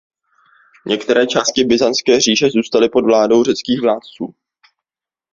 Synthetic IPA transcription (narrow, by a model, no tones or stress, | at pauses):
ɲʔɛkt̪ɛɾɛːt͡ʃaːscɪbɪzanst͡skɛːr̝iːʒɛzuːst̪alɪpo̞dvlaːdo̞wrɛt͡skiːxvlaːt̪t͡suː